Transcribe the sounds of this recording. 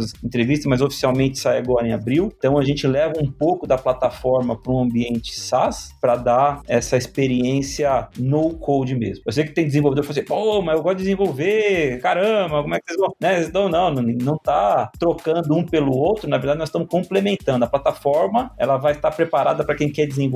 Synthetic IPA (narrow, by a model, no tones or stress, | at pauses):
sẽnt̪ɾevist̪ɐsmɐzofi̥siawmẽnt͡ʃɪ̥sajaɡɔɾẽabɾiwt̪ɐ̃w̃ɐʒẽnt͡ʃɪlɛvɐũpowkʊd̪ɐplat̪afɔɾmɐpɾʊũɐ̃mbiẽnt͡ʃɪ̥saspɾɐd̪aɛsɐispeɾiẽsiɐnowkʰowd͡ʒɪmḛzmʊosejʊkɪ̥t̪ẽj̃d̪ɪzẽvowved̪oɾfasepomɐewɡɔst̪dd͡ʒɪd͡ʒɪzẽvowvekaɾɐ̃bɐkomwɛkɪsezvɐ̃w̃nɛsezst̪ɐ̃w̃nɐ̃w̃ñnɐ̃w̃t̪at̪ɾokɐ̃nd̪ʊũpelʊowt̪ɾʊnɐveɾd̪ad͡ʒɪnɔzst̪ɐ̃mʊskõmplemẽnt̪ɐ̃nd̪ʊɐplat̪afɔɾmɐɛ̰lɐvajst̪aɾpɾepaɾa̰d̪ɐpɾɐkẽj̃kɛɾd͡ʒɪzẽ